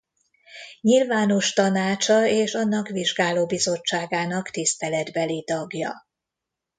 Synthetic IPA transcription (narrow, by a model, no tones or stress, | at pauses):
ɲilvaːno̞ʃt̪ɒnaːt͡ʃɒeːʃɒnːɒkʋiʒɡaːloːbizo̞t͡ʃːaːɡaːnɒkt̪ist̪ɛlɛd̪bɛlit̪ɒɡjɒ̰